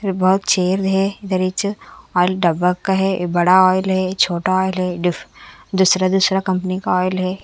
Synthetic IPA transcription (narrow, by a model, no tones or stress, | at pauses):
bɐɦʊt̪t͡ʃeːɾd̪ɦɛɪd̪əɾɪt͡ʃɔːɪlɖɐbəkkaɦɛbɐɽaɔːɪlɦɛt͡ʃʰoːʈaɔːjɪlɦɛɖɪfd̪usɾad̪uːsɾakɐ̃mpnikaɔːɪlɦɛː